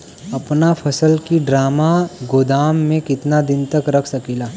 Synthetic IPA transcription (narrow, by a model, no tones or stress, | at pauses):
ɐpnapʰɐsəlkiɖɾaːmaɡoːd̪aːmːẽkɪt̪nad̪ɪnt̪ɐkɾɐkʰsɐkiːlaː